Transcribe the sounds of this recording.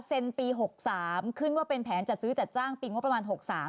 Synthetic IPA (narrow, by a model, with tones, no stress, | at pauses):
se˧npiː˧ɦo˨˩k̚saː˩˦mkʰɯ˥˩nwaː˥˩pe˧npʰɛː˩˦nt͡ɕa˨˩t̪̚sɯː˦˥t͡ɕa˨˩t̪̚t͡ɕaː˥˩ŋpiː˧ŋ˦˥pːɾa˧mː˧nɦo˨˩k̚saː˩˦